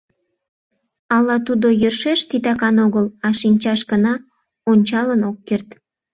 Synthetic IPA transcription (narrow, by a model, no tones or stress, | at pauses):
ɑlɑt̪ud̪ojørʃeʃt̪it̪ɑkɑnoɣəlɑʃinʲt͡ɕɑʃɡənɑ | onʲt͡ɕɑlənokːert̪